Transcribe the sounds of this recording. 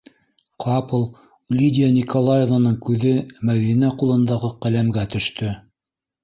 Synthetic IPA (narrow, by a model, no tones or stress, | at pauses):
qʰɑplˠ | lʲid̪ʲɪjanʲikʰolˠajevanɤɴkʉðɘmæwðinæqulˠɤ̆nd̪ɑʁɤqælæmɡæt̪ɵ̆ʃt̪ʰɵ